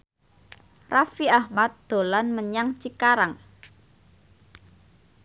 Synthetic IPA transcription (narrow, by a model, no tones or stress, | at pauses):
rafiahmat̪̚d̪̥o̤lanməɲaŋt͡ʃikaɾaŋ